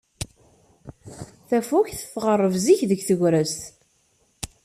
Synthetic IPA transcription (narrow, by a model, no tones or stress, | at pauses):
θæfuçθəθʁərˤːəvziçðəɡθəʝɾəst̪